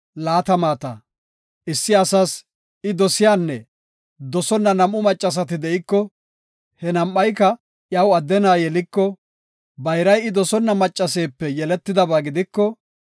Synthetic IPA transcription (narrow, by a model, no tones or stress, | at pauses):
laːt̪ɐmaːt̪ɐ̰ | ʔɪsːɪɐsɐs | ɪd̪ɔsɪjaːnːɛ | d̪ɔsɔnːɐnɐmʔʊmɐt͡ʃʼːɐs̬ɐt̪ɪd̪ɛʔɪkːɔ | hɛnɐmʔɐjkɐ | ʔjɐwɐd̪ːɛnaːjɛlɪkːɔ | bɐjɾɐjɪd̪ɔsɔnːɐmɐt͡ʃʼːɐs̬e̞ːpːɛjɛlɛt̪ːɪd̪ɐbaːɡɪd̪ɪkːɔ